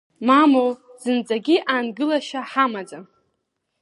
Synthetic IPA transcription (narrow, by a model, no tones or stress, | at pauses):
mamowz̥ɨnd͡zʼaɡʲiʔaːnɡɨlaʃaħamad͡za